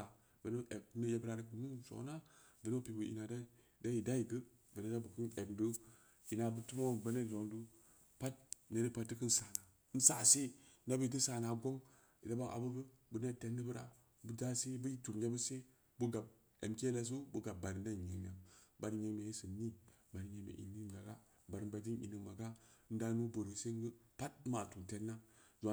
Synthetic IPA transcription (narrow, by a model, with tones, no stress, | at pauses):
a˨ | ve˨no˦ʔe˨k̚nə˦je˦bɾa˨ɾa˦ku˨mu˦so̰˨˦na˦ | ve˨no˦pi˨bu˨ḭ˨na˨da˦ | da˦ji˨da˦ji˨ɡə˦ | ve˨ne˦da˦bu˨ku˦ne˨kdu˦ | ki˨na˨bu˦tu˦mo˦˨bə˦ne˦d͡ʒo˨ndu˦ | pa˦t̚ne˨ɾi˦pa˦tːi˦kɨ˦n̩˦sa˨na˨˦n̩˦sa˨se˦na˦bə˦i˨ti˦sa˨na˨ɡo˦ŋ | i˨da˦ba˦ʔa̰˨bu˦bɨ˦bu˨ne˦te˨nːi˦bu˦ɾa̰˨ | bu˦da˦se˦bu˦i˦tu˨md͡ʒʲe˦bə˦se˦ | bu˦ɡa˨b̚ | ḛ˨mke˦la˨s̬u˦bu˦ɡa˨b̚ba˨ɾi˨nː˦a˦˨ɲe˨ŋnʲa˨mba˨ɾi˨ɲe˨˦ŋm˨e˨i˦sɨ˨nnːi˦ | ba˨ɾi˨ɲe˨mḛ˨ʔḭ˨ni˦˨ɡa˨ɡa˦ | ba˨ɾi˨nba˨˦di˦nʔḭ˨ni˨ma˨ɡa˦n̩˦da˦nu˦bo˨ɾi˨se˦ɡə˦pa˦t̚ma˨tu˨te˨nːa˦zʷa˨